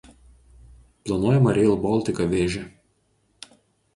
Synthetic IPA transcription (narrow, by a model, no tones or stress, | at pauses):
plˠɐnuɔjɛmɐɾʲɛlˠbɔlˠʲt̪ʲɪkɐʋʲeːʒʲɛ